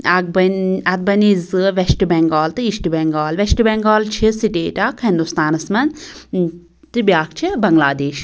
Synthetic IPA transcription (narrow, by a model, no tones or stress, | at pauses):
ɐɡ̚bɐnɐt̪̚bɐnizɨʋesʈɨbɛŋɡaːlt̪ɨiʃʈɨbɛŋɡaːlʋesʈɨbɛŋɡaːlt͡ʃʰisiʈeːʈaːkʰɦind̪ust̪aːnɐsmɐn | t̪ɨbʲjaːkt͡ʃʰibɐŋɡlaːd̪eːʃ